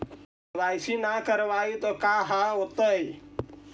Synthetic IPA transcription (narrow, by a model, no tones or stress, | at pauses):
ʋaːjsinakəɾʋaːit̪okaɦaɦot̪əj